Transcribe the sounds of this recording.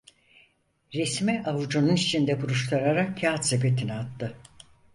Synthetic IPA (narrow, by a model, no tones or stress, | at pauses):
ɾesmɛʔavud͡ʒununit͡ʃʰind̪ɛbuɾuʃt̪ʰaɾaɾakcaːt̪sebet̪ʰiniat̪ːɯ